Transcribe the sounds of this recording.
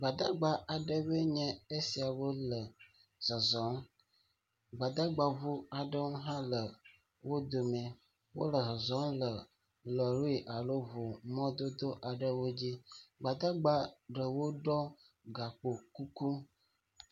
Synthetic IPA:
ɡ͡ba˨d̪a˦ɡ͡ba˨a˨ɖə˦βə˦ɲɛ̃˦e˦si˨a˨wo˦lə˨ | zɔ˨zɔ˨˦m | ɡ͡ba˨d̪a˦ɡ͡ba˨vu˦a˨ɖə˦wõ˦ɦã˦lə˨ | wo˦d̪o˨mɛ˨ | wo̰˦lə˨zɔ˨zɔ˦mlə˨ | lə˨lo˦i˨ʔa˨lo˦vo˨mɔ̃˦d̪o˦d̪o˦ʔa˨ɖə˦wo˦d͡ʑi˦ɡ͡ba˨d̪a˦ɡ͡ba˦ɖə˨wo˦ɖɔ˦ | ɡa˨k͡po˨ku˦ku˦

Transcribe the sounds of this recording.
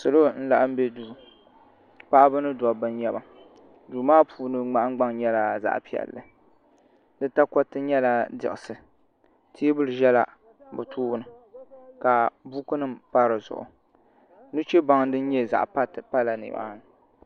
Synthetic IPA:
sɨ˨lo˦n̩˦la˨ʔm̩˦be˦duː˨ | pa˦ʔbɨ˦nɨ˦dɔ˨bɨ˦n˦jɛ˦ba˨ | du˨maː˦puː˨nɨ˦ŋ͡ma˦ʔɡ͡ba˦ŋɲɛ˦la˨za̰˨ʔpi˨ɛ̰˨lːɨ˨ | dɨ˦ta˦kɔ˦tɨ˦ɲɛ˦la˦dɪ̰˨ʔɪ˨sɨ˨ | tʰi˦bɨ˦lɨ˨ʒɛ˦la̰˨ | bɨ˨tʰuː˦bnɨ˨ | ka˨bu˦kɨ˦nɨ˦mpa˦ɾɨ˨zʊ̰˨ʔʊ̰˨ | nu˦t͡ʃɛ˦ba˨˦ŋdɨ˦n̩˦ɲɛ˦za̰˨ʔpa˦˨pa˦la˨nɪ̰˨ba̰ː˦nɨ˨

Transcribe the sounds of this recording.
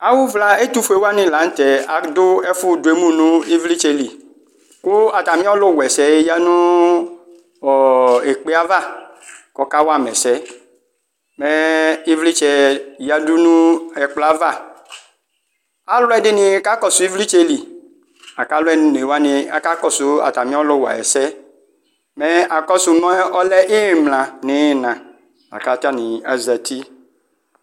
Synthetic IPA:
a˨wu˦vla˨e˦t̪u˦fu˨e˨˦wa˦nɪ̃˨la˨˦n̩˦t̪ɛ˨a˨d̪ʊ˦ɛ˦fʊ˦dʊ˨e˦mũ˦nũ˦i˦vli˦t͡ʃɛ˦li˨ | kʊ˦a˨t̪a˨mĩ˦ɔ˦lɔ˦˨wɛ˨sɛ˨˦ja˦nũ˦ | ɔ˨e˨k͡pe˦a˦va˦˨ | kɔ˦ka˦wo˦a˨mɛ˨sɛ˦ | mɛ˦i˦vli˦t͡ʃɛ˨ja˦du˦nũ˦ɛ˨k͡pla˦va˦ | a˦lʊ˦ɛ˦dɪ˦nĩ˨˦ka˦kɔ˦su˨˦i˦vli˦t͡ʃɛ˦li˨ | a˨ka˦lɛ˦˨nũ˦n˨e˨wa˦nĩ˨a̰˨ka˦kɔ˦su˨˦a̰˨t̪a˨mĩ˦ɔ˦lɔ˦wa̰˨ɛ̰˨sɛ˦ | mɛ˦a˨kɔ˦su˨nɔ̃˦ɛ˦ʔɔ˦lɛ˦ʔe˦˨mlã˨ne˨˦˨nã˨ | a̰˨ka˨t̪a˦nĩ˨a˦zɛ˨t̪i˦

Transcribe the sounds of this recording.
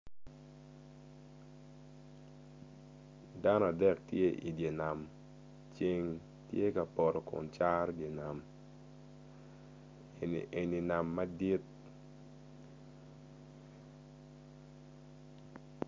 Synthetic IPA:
da˦nɔ˦˨a˨dɛ˦˨k̚tje˦ʔi˨dje˨na˨m | t͡ʃe˦ŋ | tje˦ka˨pɔ˨ɾɔ˨kʊ̰˨nt͡ʃa˦ɾdje˨na˨m | ʔe˨ni˨na˨mːa˦di˦t̪̚

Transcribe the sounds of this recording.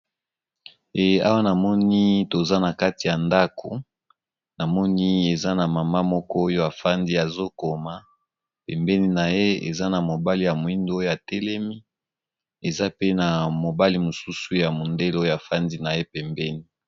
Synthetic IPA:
e˨˦a˦wa˦na˨mɔ˦ni˦to˨za˦na˨ka˦ti˨ja˨nda˦ko˨ | na˨mɔ˦ni˦e˨za˦na˨ma˨ma˦mɔ˦kɔ˦o˦jo˦a˨fa˦ndi˦a˨zo˦ko˨ma˨ | pɛ˨mbɛ˦ni˦na˨je˦ḛ˨za˦na˨mo˨ba˦li˨ja˨mo˨i˦ndo˦o˦jo˦a˨tɛ˦lɛ˦mi˦ | e˨za˦pe˦na˨mo˨ba˦li˦mo˨su˦su˦ja˨mo˨nde˦lo˦jo˦a˨fa˦ndi˦na˨je˦pɛ˨mbɛ˦ni˦

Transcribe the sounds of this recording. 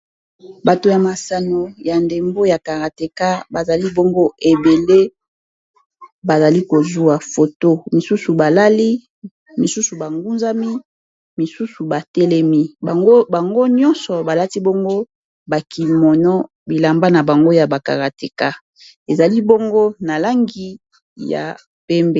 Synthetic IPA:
ba˨to˨ja˨ma˨sa˨no˨ja˨nde˨mbo˦ja˨ka˨ʁa˨te˨ka˦ba˨za˨li˦bo˦ŋɡo˦e˨be˨le˦ | ba˨za˨li˦ko˨zu˦a˨fo˨to˦mi˨su˦su˨ba˨la˦li˦ | mi˨su˦su˨ba˨ŋɡu˦nza˦mi˦ | mi˨su˦su˨ba˨tɛ˦lɛ˦mi˦ba˨ŋɡo˦ba˨ŋɡo˦ɲɔ˦nsɔ˨ba˨la˦ti˦bo˦ŋɡo˦ | ba˨ki˨mɔ˨nɔ˦ | bi˨la˨mba˦na˨ba˨ŋɡo˦ja˨ba˨ka̰˨ʁa˨te˨ka˦ | e˨za˨li˦bo˦ŋɡo˦na˨la˦ŋɡi˦ | ja̰˨ | pɛ˦mbe˦˨

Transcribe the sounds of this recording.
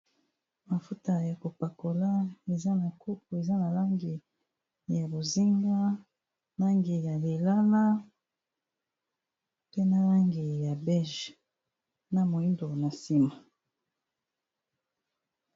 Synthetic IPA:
ma˨fu˦ta˨ja˨ko˨pa˨ko˨la˦e˨za˦na˨ko˦k̚o˨e˨za˦na˨la˦ŋɡi˨ | ja˨bo˨zi˦ŋɡa˦ | la˦ŋɡi˨ja˨le˨la˦na˦ | pe˦na˨la˦ŋɡi˨ja˨bɛ˦ʒ | na˨mo˨i˦ndo˨na˨si˦ma˨

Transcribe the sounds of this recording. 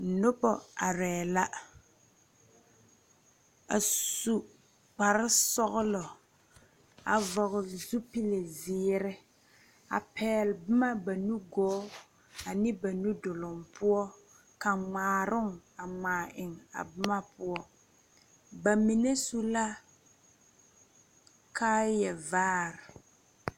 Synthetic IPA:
nʊ˦pɔ˨a˨ɾɛː˨la˦ | a˨su˨ | k͡pa˨ɾɪ˦sɔ˦ɣʊ˦lɔ˨ | a˨vɔ˨ɣɪ˨zu˦pi˦le˨zɪː˦ɾɪ˦ | a̰˨pʰɛː˨lbɪ˦ma˦ba˨nu˦ɡɔː˦ | a˨nɪ˦ba˨nu˦dʊ˨lɔ˨ŋpʰʊ˦ɔ˦ | ka˨ŋ͡maː˨ɾʊ˦ŋa˨ŋaː˨ʔɪ˨ŋa̰˨bɪ˦ma˦pʊ˦ɔ˦ | ba˨mi˨ne˦su˦la˦ | kʰa˦jɛ˨vaː˦ɾɪ˨

